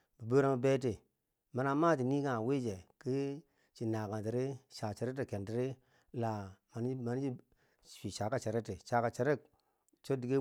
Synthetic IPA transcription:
bi˨bo˦ɾa˦mə˦be˦te˨ | ma˨na˦ma˦t̬i˨ni˦ka˦a˨we˦d͡ʒe˨ki˦ | t͡ʃi˨na˨ka˨nti˨ɾe˦ʃa˨t͡ʃe˨ɾe˦te˨ke˨nti˨ɾe˦ | la˨ma˨n˦ma˨n˦d͡ʒi˦˨ | fi˨ʃa˨ka˦t͡ʃe˨ɾe˦te˨ʃa˨ka˨t͡ʃe˨ɾe˦˨k̚ | t͡ʃo˦di˨ɡe˦

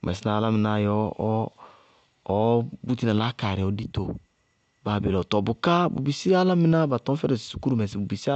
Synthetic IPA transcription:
mʔɛ̰˨si˦na˨la˦mɪ̃˨na˨jɔ˦ | bu˦ti˦na˨la˦ka˨ɾɛ˨ɔ˨˦di˦to˨ | ba˨be˨lɔ˨tɔ˨bʊ˨ka˦bṵ˨bi˨si˦a˦la˦mi˦na˦ba˨tɔ̃˦fɛ˦ɾɛ˨ssu̥˨˦ku˦ɾu˦˨mɛ˨s̬i˨bu˨bi˨si˦a˦

